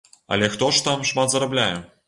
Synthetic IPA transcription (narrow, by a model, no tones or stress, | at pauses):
ɐ̰lʲɛxt̪ɔʂt̪amʂmat̪zɐɾablʲajɛ